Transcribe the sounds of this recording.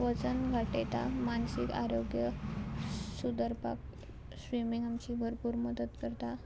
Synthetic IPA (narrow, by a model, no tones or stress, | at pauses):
ʋət͡sənɡʱaʈet̪amansikaɾoɡjə | sud̪əɾpa̰k | sʋimiŋɡamt͡ɕiːbʱəɾpuːɾməd̪ət̪kəɾt̪a